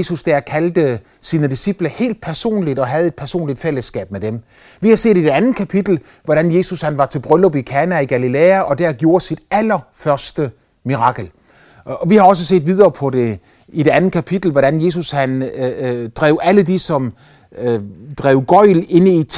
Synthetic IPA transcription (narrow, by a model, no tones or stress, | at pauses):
esusd̥æɐkʰæld̥ə | siːnəd̥isib̥lɐhe̝̰ːld̥̚pʰæɐso̝̰ːnlid̥ɒ̽ɦæð̞̩ˠe̝d̥̚pʰæɐso̝̰ːnlid̥fel̰əsɡ̥ɛ̰ːb̥̚med̥em | ʋihɑ̈se̝̰ːdid̥e̝ænð̩ˠkʰæpʰid̥l̩ | ʋɒɾænje̝ːsushænʋɑ̈t͡sʰe̝lb̥ʁœlob̥ikʰæːnæiɡ̥ælileːæʔɒ̽d̥æɐɡ̥jo̝ːɐsid̥ælɐfɶɐsd̥ə | miʁɑ̈ɡ̥l̩ | ɒ̽ʋihɑ̈ɒ̽s̬əs̬e̝̰ːdʋið̞ˠɐːpʰɒ̽de̝ | idɾe̝ænð̩kʰæpʰid̥l̩ʋɒɾænje̝ːs̬ushæn | d̥ʁɛ̰ʊæləd̥isɒ̽m | d̥ʁɛːʊɡ̥ɒ̽ɪ̰le̝nəit͡sʰ